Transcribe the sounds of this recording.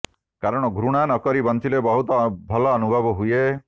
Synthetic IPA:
kaɾɔɽ̃ɔɡʱɾuɽ̃anɔkɔɾibɔnt͡ʃ̪ʰilebɔɦut̪ɔbʱɔlɔːnubʱɔbɔɦuje

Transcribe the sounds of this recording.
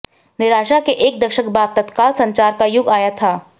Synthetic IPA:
nɪɾaːʃakeʔeːk̚d̪ɐkʃəkbaːt̪̚ːɐt̪kaːlsɐ̃ɲt͡ʃaːɾkajʊɡaːjat̪ʰaː

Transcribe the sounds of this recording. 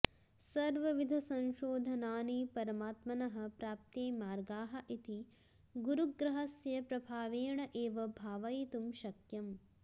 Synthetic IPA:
sɐɾʋɐʋid̪ʱɐsɐ̃nʃoːd̪ʱɐnaːniːpɐɾɐmaːt̪mɐnɐɦɐ̆pɾaːp̚t̪eːmaːɾɡaːɦɐʔit̪i | ɡuɾuɡɾɐɦɐsjɐpɾɐbʱaːʋeːɳɐʔeːʋɐbʱaːʋɐjt̪umʃɐkjɐm

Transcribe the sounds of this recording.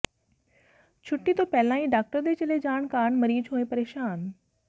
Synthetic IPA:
t͡ɕʰʊʈːit̪oːpɛːlãːĩɖaːk̚ʈəɾd̪et͡ɕɐled͡ʑaːɳkaːɳ̃mɐɾiːd͡ʒɦoːepɐɾeːʃaːn

